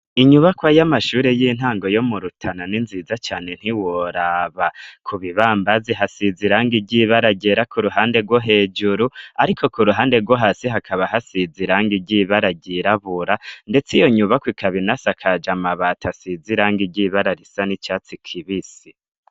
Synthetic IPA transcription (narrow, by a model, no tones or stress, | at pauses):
iɲuβakwajamaʃuːɾe̞jin̥haːŋɡo̞jo̞muɾutʰananinzizat͡ʃaːne̞n̥hiwoɾaβakʰuβiβaːmbaziɦasiziɾaːŋɡiɟiβaɾaɟeɾakʰuɾuɦaːnde̞ɾɡwoɦeːd͡ʒuɾuaɾikʰo̞kuɾuɦaːndeɾɡwoɦasiɦakʰaβaɦasiziɾaːŋɡiɟiβaɾaɟiɾaβuɾande̞t͡sijo̞ɲuβakwikʰaβinasakʰad͡ʒamaβatʰasiziɾaːŋɡiɟiβaɾaɾisanit͡ʃaːt͡sikʰiβisi